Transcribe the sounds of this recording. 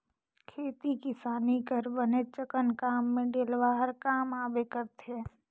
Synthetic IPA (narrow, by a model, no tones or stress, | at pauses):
kʰeːt̪ikɪsaːnikəɾbənet͡ʃəkənkaːmːẽɖeːlʋaɦəɾkaːmaːbekəɾt̪ɦɛ̃ː